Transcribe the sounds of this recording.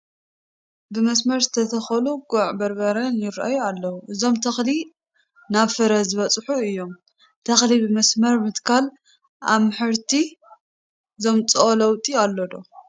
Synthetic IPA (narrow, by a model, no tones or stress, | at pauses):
bɨmɐsmɐɾzɨt̪ʰɐt̪ʰɐxɐluɡuʕbɐɾbɐɾɐnjɪɾʔa̰jualːɐwuʔɨzo̞mt̪ʰɐxli | naβfɨɾɐzɨβɐt͡sʼħuɨjːo̞m | t̪ʰɐxlibɨmɐsmɐɾmɨt̪kʰal | ʔa̰βmħɨɾt̪ʰi | ɨzo̞mt͡sʼolɐwt̪ʼialːod̪o̰